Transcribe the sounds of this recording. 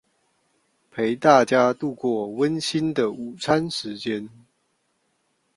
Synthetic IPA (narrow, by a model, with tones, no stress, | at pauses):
pʰe˨˦ɪt̪a˥˨t͡ɕja˦t̪u˥˧kwɔ˥˩wə˦nɕi˦nd̪ə˨u˨˩t͡sʰa˦nʂɻ̩˨˦t͡ɕjɛ˦n